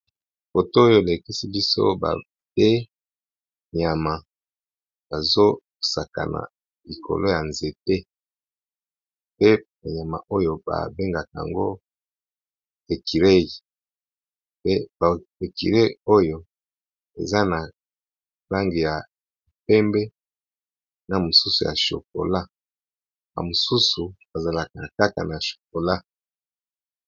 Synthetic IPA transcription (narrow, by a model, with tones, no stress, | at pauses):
fo˨to˦o˦jo˦e˨le˨ki˦si˦bi˦so̰˦ba̰˨ | be˦ | ɲa˨ma˨ | ba˨zo˦ | sa˨ka̰˨na̰˨ | li˨kʰo̰˨lo˦ja˨nze˨te˦ | pe˦ | a˨ɲa˨ma˨ʔo˦jo˨ba̰˨be˦ŋɡa˨ka˨a̰˨ŋɡo˦ | e˨ki˨ɾe˦i˨ | pe˦ba˨e˨kḭ˨ɾe˦˨o˦jo˨ | ḛ˨za˦na˨ | la˦ŋɡi˨ja˨ | pɛ˦mbe˦ | na˨mo˨su˦su˨ja̰˨ʃo̰˨k̚o̰˨la˦ | ba̰˨mo˨su˦su˨ba˨za˨la˨ka˨ka˦ka̰˨na˨ʃo̥˨k̚o˨la˦